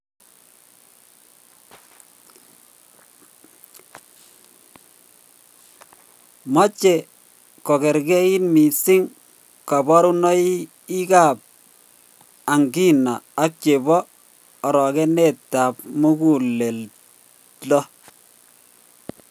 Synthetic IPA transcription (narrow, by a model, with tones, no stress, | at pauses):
mɔ˦t͡ʃe˨ | kɔ˨kɛ˨ɾkɛ˦i˦nmi˨sɪ˦ŋ | ka˨bɔ˦ɾu˦nɔ˦i˦ | i˦ka˦˨p̚ | a˨ŋɡi˦na˨a˦k̚t͡ʃe˨bɔː˦˨ | ɾɔ˨kɛ˦ne˦˨tːa˨pmu˦ku˨le˨l | lɔ˦